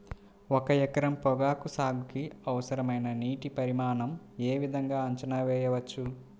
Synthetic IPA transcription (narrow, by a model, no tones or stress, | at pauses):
ɔkɐjɛkɐɾɐmpɔɡaːkusaːɡukiɐʋɐsɐɾɐmɐjnɐniːʈipɐɾimaːnɐm | eːʋid̪ʱɐŋɡaːɐɲt͡ʃɐnaːʋɛːjɐʋɐt͡ʃːu